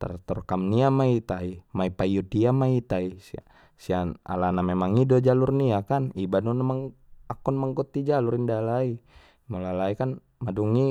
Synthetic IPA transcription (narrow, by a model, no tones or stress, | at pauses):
t̪a̰rt̪ɔrkamniamait̪aimaipaijudiamait̪aisia | siana̰lanamemaŋidɔd͡ʒalurniakanibanɔnamaŋ | akɔnmaŋkɔt̪ːid͡ʒaluɾindalai | mɔlalaikan | maduŋi